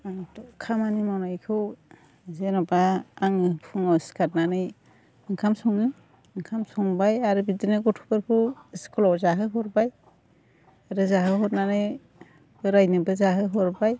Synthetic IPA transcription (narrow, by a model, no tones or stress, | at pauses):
tɔkʰamanimawnajkʰɯw | zenɔbaːŋɯpʰuŋɔskʰat̚nanɯj | ɯŋkʰamsɔŋɯ | ɯŋkʰamsɔŋbajaɾɯbidinɯɡɔtʰu̥bɯɾkʰɯwiskɔlɔzaɦɯɦɔɾbaj | aɾɯzaɦɯɦɔt̚nanɯj | bɯɾajnɯbɯzaɦɯɦɔɾbaj